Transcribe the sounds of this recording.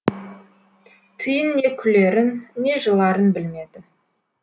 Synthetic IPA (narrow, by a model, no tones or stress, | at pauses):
t̪ʰəjənːe̞kʲʰʏle̞ɾɪnːe̞ʒəlˠɑɾənbɪlme̞d̪ɪ